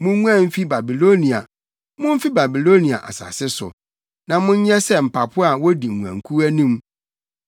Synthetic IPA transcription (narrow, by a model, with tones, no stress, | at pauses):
mʊ̃˦ŋu˦ã˦m̩˦fi˦ba˨bi˨lo˦nĩ˨a̰˨ | mʊ̃˦m̩˦fi˦ba˨bi˨lo˦nĩ˨a̰˨ʔa̰˨sa̰˨sɪ˦sʊ̰˨ | nã˨mʊ̃˦ɲ̩˦ɲɛ˦sɛ˦m̩˨pʰa˨pʰʊ˦a˨wɔ˦di˨ũ˨æ̰̃˨ŋ˨kʰu˦æ˦nũ˦m